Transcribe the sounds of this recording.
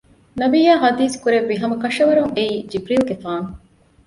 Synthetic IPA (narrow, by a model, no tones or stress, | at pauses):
nɐbijaːɦɐd̪iːskuɾeʋːiɦɐmɐkɐʃɐʋɐɾuŋeiːd͡ʒibɾiːlɡefaːŋ